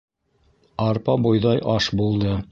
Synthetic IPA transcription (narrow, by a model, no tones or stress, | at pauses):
ɑɾpɑbujðɑjʔɑʃbulˠd̪ɤ